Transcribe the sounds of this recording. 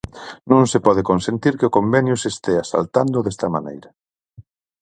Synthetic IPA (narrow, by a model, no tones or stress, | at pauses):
nõŋsepɔð̞ekonsent̪iɾkɪʊkombɛnjʊsest̪ɛasa̰lt̪and̪ʊðɛst̪ɐmanḛjɾɐ